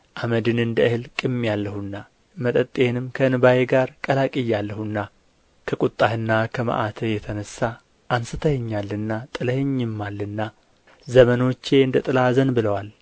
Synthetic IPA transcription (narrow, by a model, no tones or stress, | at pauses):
ʔaməd̪ɨnɨnd̪əɨhɨlkʼɨmːjalːəhunːa | mət̪ʼət̪ʼːe̞nɨmkʰəɨnɨbajeɡaɾkʼəlakʼɪjːalːəhunːa | kʰəkʼut̪ʼːahɨnːakʰəma̰ʔat̪ʰəjɛt̪ʰənəsa | ʔansɨt̪ʰəhɲːalːɨnːat̪ʼɨləheɲːɪmːalːɨnːa | zəməno̞t͡ʃːe̞ɨnd̪ət̪ʼɨlazənbɨləwal